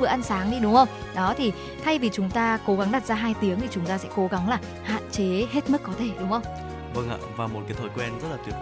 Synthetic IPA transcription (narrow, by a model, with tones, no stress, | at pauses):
ɨ˨˧˨əʔa˧nsaː˨˦ŋɗi˧ɗʊ˨˦ŋ͡mxə˧wŋ͡m | ɗɔ˨˦t̪ʰi˨˩ | t̪ʰa˧jvi˨˩t͡ɕʊ˨˦ŋ͡mt̪aː˧ko˨˦ɣa˨˦ŋɗaː˨˩t̚zaː˧ɦaː˧jt̪i˨˦əŋt̪ʰi˨˩t͡ɕʊ˨˦ŋ͡mt̪aː˧sɛ̰˧˥ko˨˦ɣa˨˦ŋlaː˨˩ | ha̰ː˧˨nt͡ɕe˨˦ɦe˦˥t̚mɨ˦˥kːɔ˨˦t̪ʰe˧˩ɗʊ˨˦ŋ͡mxə˧wŋ͡m | və˧ŋʔa̰ː˧˨vaː˨˩mo˨˩t̚ka˨˦jt̪ʰəː˧˩jkwɛ˧nzə˦˥t̚laː˨˩t̪i˨˩